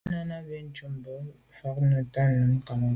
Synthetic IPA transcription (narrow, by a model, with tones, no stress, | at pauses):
na˦na˦be˦n˨t͡ʃu˦mbə˦ | fa˦knə˦ta˦nə˨˦ŋ̩˦ka˨ŋ˨